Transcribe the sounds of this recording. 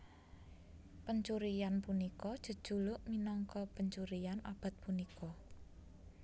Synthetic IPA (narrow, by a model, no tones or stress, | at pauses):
pəɲt͡ʃuɾijanpunikɔd̥ʒ̥ə̤d̥ʒ̥ṳlʊʔminɔŋkɔpəɲt͡ʃuɾijanʔa̰b̥a̤t̪̚punikʰɔ